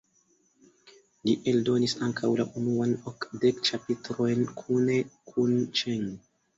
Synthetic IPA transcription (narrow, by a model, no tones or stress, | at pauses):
liʔe̞ldo̞nisaŋkʰawlaʔunuanokdekt͡ʃapitɾo̞jnkʰune̞kʰunt͡ʃeŋ